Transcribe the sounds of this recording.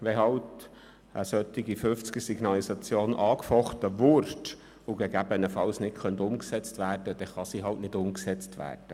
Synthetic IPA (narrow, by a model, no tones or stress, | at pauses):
ʋɛɦɑlt | ʔə̰sœt̪ːiɡifʏft͡skəsiɡ̥nɑlisɑt͡sjoːnʔɑːkfɔχt̪əvʊɾd | uɡɛɡæbənəfɑlsnɪtχœnt̪ʊmksɛt͡stʋæːrd̥əd̥ɛχɑsiɦɑltnɪdʊmksɛt͡stʋæ̰ːrd̥ə